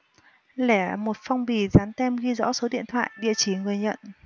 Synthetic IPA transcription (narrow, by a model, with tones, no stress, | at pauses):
lɛ˧˩mo˨˩t̚fa˧wŋ͡mɓi˨˩zaː˨˦nt̪ɛ˧mɣi˧zɔ̰˧˥so˨˦ɗḭ˧˨ənt̪ʰwa̰ː˧˨jɗḭ˧˨ət͡ɕi˧˩ŋɨ˨˩əjɲə̰˧˨n